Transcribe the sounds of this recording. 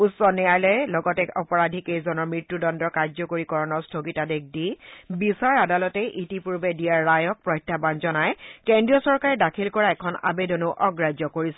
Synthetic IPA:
utsɔnɛjajlɔjɛlɔɡɔtɛɔpɔɹadʱikejzɔnɔɹmɹitːudɔndɔkaɹd͡ʒzɔkoɹikɔɹɔnɔɹstʰoɡitadek̚ʰdibisaɹadalɔtɛʔitipuɹbɛdijaɹːajɔk̚pɹɔjtʰːabanzɔnajkendɹijɔsɔɹkaɹɛdakʰilkɔɹaɛkʰɔna̰bedɔnʊʔɔɡɹad͡ʒɔkoɹisɛ̥

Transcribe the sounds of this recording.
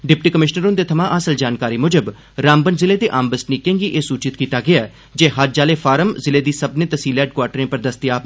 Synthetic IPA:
ɖɪpʈiːkəmɪʃnəɾond̪eːt̪ʰəmãːʔəsəld͡ʒaːnkaːɾiːmʊd͡ʒəb | ɾaːmbənzɪleːt̪eːʔãːmbəsʈniːkẽːŋɡiːʔeːsuːt͡ʃɪt̪kiːt̪aːɡɪaː | d͡ʒeːɦaɾd͡ʒaːleːpʰaːɾəmzɪleːd̪iːsəbneːt̪əsiːlɛːɖkwaːɾʈɾẽːpəɾd̪əst̪ɪaːp

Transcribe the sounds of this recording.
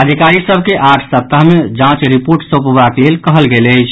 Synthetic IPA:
əd̪ʱikaɾisəbʱkeʔaʈʰsəp̚t̪aɦmed͡ʒãt͡ʃɾipoɾʈsopbaklelkəɦəlɡeləjt͡ʃʰ

